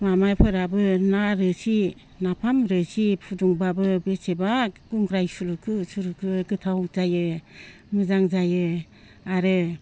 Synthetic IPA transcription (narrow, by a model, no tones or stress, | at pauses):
mamajpʰɯɾabɯnaɾɯsi | napʰamɾɯsipʰuduŋbabɯbesebaɡ̥uŋɡɾajsuɾukʰɯsuɾukʰɯɡɯtʰawzajɯ | mɯzaŋzajɯ | aɾɯ